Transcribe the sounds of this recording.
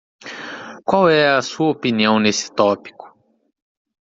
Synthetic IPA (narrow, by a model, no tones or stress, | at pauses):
kwawɛɐsuɐopiniɐ̃w̃nesɪ̥t̪ɔpi̥kʊ̥